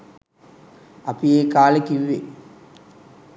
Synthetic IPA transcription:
ɐpijeːkaːlekːiʋʋe

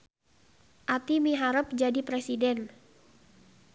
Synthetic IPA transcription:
ʔat̪imiɦaɾəp̚d͡ʒadipɾesidɛn

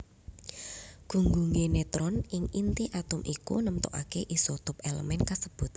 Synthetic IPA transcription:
ɡ̥ṳŋɡuŋenet̪ɾɔnɪŋint̪iʔat̪ʊmʔikṵnəmt̪ɔ̰ʔa̰keʔisot̪ʊpelə̰mɛnkasəb̥ʊ̤t̪̚

